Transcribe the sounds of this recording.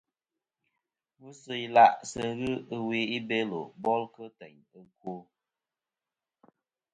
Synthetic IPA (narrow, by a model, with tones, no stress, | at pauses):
mu˦sɨ˨i˦la˦˨ʔsə˨ɣɨ˦ə˦we˨˦i˦be˦lo̰˨bɔ˦lkə˦tɛ˨ɲ | ə˦˨kwo˦